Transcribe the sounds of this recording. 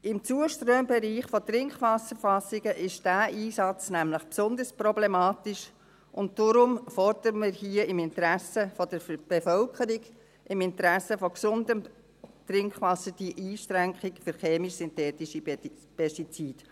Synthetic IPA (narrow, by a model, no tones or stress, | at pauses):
ɪmt͡suəʃtɾøːmbɛɾiːχfɔtrɪŋkχʋɑsəɾfɑsɪɡəʔɪʃd̥æːʔiːsɑt͡snæmləχpsʊnd̪əɾsprɔblemɑːtɪʃ | ʔʊnt̚d̥ʊɾʊmfɔrd̪əɾəməɾhiəɪmɪntɾæsəfɔd̥əɾb̥efœlkʰəɾiɡ | ʔɪmɪnt̪əɾæsəfɔksʊndəm | t̪ɾɪŋkχʋɑsəd̥iʔiːʃtɾæŋkχɪkfʏɾχeːmiʃsyntɛːtiʃipɛʃtit͡siːd̥